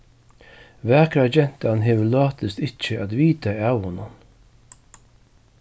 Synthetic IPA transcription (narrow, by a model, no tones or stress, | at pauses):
ʋæːkɾad͡ʒɛn̥t̪anɦeːʋəlɑːt̪ɪst̪ɪt͡ʃːəat̪ʋiːt̪aawhʊnʊn